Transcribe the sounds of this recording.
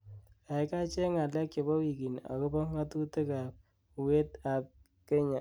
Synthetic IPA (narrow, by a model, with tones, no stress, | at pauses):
a˨ɪ˦ka˦t͡ʃe˦ŋa˨lɛ˦k̚t͡ʃɔ˨bɔ˦wi˨ki˨na̰˨ko˦bɔ˦ŋa˦tu˦te˦ka˨p̚ | we˦ta˨p̚ | ke˦ɲa˨